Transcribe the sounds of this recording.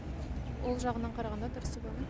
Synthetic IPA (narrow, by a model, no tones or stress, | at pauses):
wʔolˠʒɑʁənɑɴqʰɑɾɑʁɑnd̪ɑt̪ʰʊɾəsəboe